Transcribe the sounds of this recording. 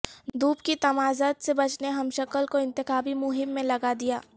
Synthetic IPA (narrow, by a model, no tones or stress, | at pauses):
d̪uːpkit̪ɐmaːzaːt̪sebɐt͡ʃneɦɐmʃɐkəlkoɪ̃nt̪ɪxaːbimʊɦɪmːẽlɐɡad̪ijaː